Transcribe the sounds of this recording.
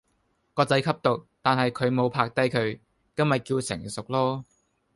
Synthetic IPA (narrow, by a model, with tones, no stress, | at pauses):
kɔː˧t͡sɐ˨˥jkʰɐ˥p̚t̪o˨˩k̚t̪aː˨nɦɐ˨jkʰɵ˨˧ɥmo˨˧wpʰaː˧k̚t̪ɐ˥jkʰɵ˨˧ɥ | kɐ˥nmɐ˨˩kiː˧wsɪ̰˨˩ŋsʊ˨k̚lɔː˥